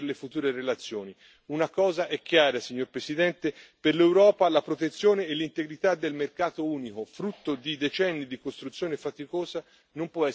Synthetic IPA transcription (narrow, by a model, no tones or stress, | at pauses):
rlefut̪uːɾerelat̪sːjoːni | unakɔːzaʔɛk̟ːjaːɾasiɲːoɾpɾesid̪ɛnt̪eperlewɾɔːpalapɾot̪et̪sːjoːneːlːint̪eɡɾit̪ad̪ːelmerkaːt̪ouːnikofɾut̪ːod̪id̪et͡ʃɛnːid̪ikost̪ɾut̪sːjoːnefat̪ikoːza | nompwɔɛ